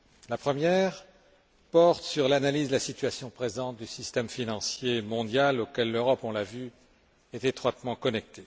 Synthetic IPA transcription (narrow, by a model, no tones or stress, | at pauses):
lapχəmjɛʁ | pɔʁt̪syʁlanalizd̪lasit̪ɥasjɔ̃pχezɑ̃t̪̚d̪ysist̪ɛmfinɑ̃sjemɔ̃d̪jalokʲɛlːøʁɔpɔ̃lavy | ɛt̪et̪χwat̪mɑ̃kɔnɛk̚t̪e